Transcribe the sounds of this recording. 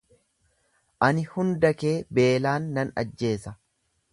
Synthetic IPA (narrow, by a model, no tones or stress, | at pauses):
ʔɐnɪhʊnd̪ɐkeːbe̞ːlaːnːɐnɐ̰d͡ʒːe̞ːsɐ